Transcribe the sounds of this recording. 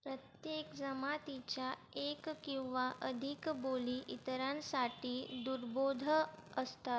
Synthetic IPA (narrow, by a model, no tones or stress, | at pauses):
pɾət̪jekd͡zəmat̪it͡ɕjaekkĩw̃ʋaʔəd̪ʱikboliːʔit̪ɾãnsaʈiːd̪uɾbod̪ʱəəst̪a